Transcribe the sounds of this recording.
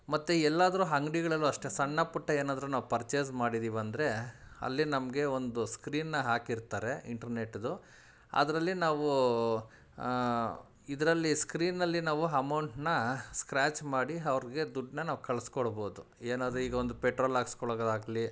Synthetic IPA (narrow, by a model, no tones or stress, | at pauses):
mɐt̪ːuɛlːaːd̪ɐɾuɦɐŋɡɽiɡɐɭɐlːuɐʂʈesɐɳːɐpuʈːɐeːnaːd̪ɐɾunaːʋupɐɾt͡ʃe̞ːzmaːɽid̪iːʋɐnd̪ɾe̞ɐ̰lːinɐmɐɡe̞o̞nd̪uskɾiːnːɐɦaːkiɾt̪aːɾe̞ḭɳʈɐɾne̞ʈːd̪u | ɐ̰d̪ɐɾɐlːinaːʋu | id̪ɐɾɐlːiskɾiːnːɐlːinaːʋuɐmɐwɳʈnɐskɾaːt͡ʃmaːɽiɐʋɐɾiɡe̞d̪uɖnɐnaːʋukɐɭɐskoɽboːd̪u | eːnaːd̪ɾuiːɡɐond̪upeʈɾoːlaːɡskɔɭːɡɐd̪aːɡli